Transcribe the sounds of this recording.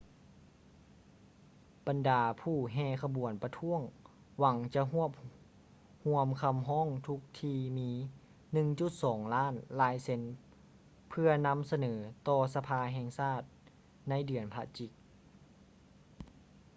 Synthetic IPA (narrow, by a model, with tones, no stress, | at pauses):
b̥a˨ndaː˨˦pʰuː˧˩ɦɛː˧˩kʰa˧bu˩˦ənpa˧t̪ʰu˧˥˨əŋ | wa˨˦ŋt͡ɕa˧˦ɦu˥˩əp̚ | hu˧˥əmkʰa˧mɦɔː˥˨ŋt̪ʰu˧˦˥k̚t̪ʰiː˧miː˧˥ | nɯ˧ŋt͡ɕu˧˦t̪̚sɔː˩˦ŋlaː˧˥˨nlaː˨˧˦jse˧n | pʰɯ˧ɐna˧˥msa˧nɤː˩˦t̪ɔː˧sa˧pʰaː˧ɦɛː˧ŋsaː˥˩t̪̚ | na˧˥jdɯ˨˩ənpʰa˧t͡ɕi˧˦k̚